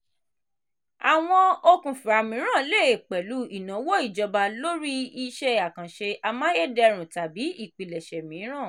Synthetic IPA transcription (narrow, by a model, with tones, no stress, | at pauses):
a˨w̃ɔ̃˧o˧kũ˨fi˨ɾa˨mĩ˨˦ɾ̃ã˦˨le˦˨e˨k͡pɛ˨lu˨˦i˨nã˨˦wo˦i˦˨d͡ʒɔ˧ba˧lo˦ɾi˦i˧ʃɛ˦a˦˨kã˨ʃe˧a˧mã˦je˦˨dɛ˧ɾ̃ũ˨ta˨bi˨˦i˦˨k͡pi˨lɛ˨ʃɛ˨mĩː˨˦ɾ̃ã˦˨